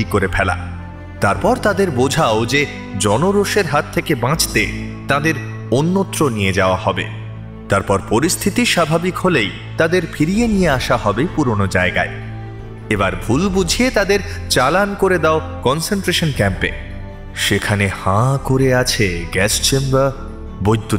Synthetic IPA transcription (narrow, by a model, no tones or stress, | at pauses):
ikoɾepʰɛla̰ | t̪aɾpɔɾt̪ad̪eɾbod͡ʑʱaod͡ʑe | d͡ʑɔnoɾoʃeɾɦat̪ʰːekebãt͡ɕt̪et̪ãd̪eɾ | onːot̪ːɾonijed͡ʑaoahɔbḛ | t̪aɾpɔɾpoɾist̪ʰit̪iʃabʱabikholej | t̪ad̪eɾfʰiɾijenijeaʃahɔbepuɾonod͡ʑaeɡa̰e | ebaɾbʱulbud͡ʑʱiet̪ad̪eɾt͡ɕalankoɾed̪ao | kɔnseɳʈɾeʃonkɛmpḛ | ʃekʰanehãkoɾeat͡ɕʰeɡɛst͡ɕembɾa | bojd̪ʱːu